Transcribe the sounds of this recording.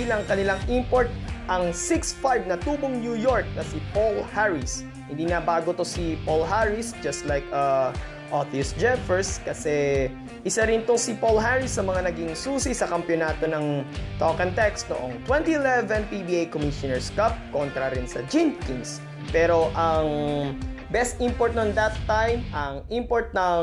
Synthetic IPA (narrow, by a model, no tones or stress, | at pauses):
ilɐŋkɐnɪlaŋʔimpoɹt̪̚ʔɐŋsɪksfajbnɐt̪uːboŋnjujoɹk̚nɐsɪpolhaɹɪs | hɪnd̪inɐbaːɡot̪o̞sipolɦaɹɪsd͡ʒɐst̪lajkɐ | ʔot̪iʊsd͡ʒɛfɛɹskɐsɛ | ʔɪsaɾɪnt̪osipolɦaɹɪsːɐmɐŋanɐɡiŋsuːsisɐkɐmpjonaːt̪o̞nɐŋt̪okɐnt̪ɛkst̪̚noʔoŋt̪wɛ̃nt̪iɛlɛvɛnpibiʔajkomiʃonɛɹskab̚kont̪ɾɐɾɪnsɐd͡ʒɪ̃nkɪ̃ns | pɛːɾo̞ʔɐŋ | bɛst̪ʔimpoɹt̪̚nond̪ɐt̪ːajmʔɐŋʔimpoɹt̪̚nɐ